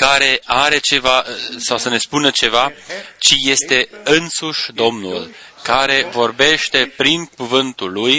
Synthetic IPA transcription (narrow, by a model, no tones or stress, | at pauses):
kaɾe̞aɾe̞t͡ʃe̞vasawsəne̞spunət͡ʃe̞vat͡ʃije̞st̪e̞ɨnsuʃʲd̪o̞mnul | kaɾe̞vo̞rbe̞ʃt̪e̞pɾiŋkuvɨnt̪ulːuj